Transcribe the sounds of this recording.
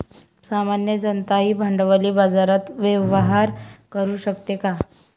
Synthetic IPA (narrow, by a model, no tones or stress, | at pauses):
samanjəd͡zənt̪aɦiːbʱəɳɖəʋaliːbad͡zaɾat̪ʋəʋɦaɾkəɾuːɕəkt̪eka